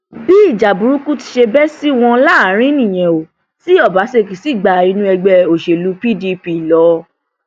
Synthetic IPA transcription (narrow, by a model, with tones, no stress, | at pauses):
bi˦i˦˨d͡ʒa˨bu˨ɾu˦ku˦ti̥˧ʃe˧bɛ˦si˦w̃ɔ̃˧la˦a˨˦ɾ̃ĩ˦nĩ˦˨j̃ɛ̃˨o˨ | si˨˦ɔ˦˨ba˨˦se˦˨ki˨si˦˨ɡ͡ba˨i˧nũ˦ɛ˧ɡ͡bɛ˧o˨ʃe˨lu˨˦pi˦˨di˧pi˧˦˨lɔ˨˦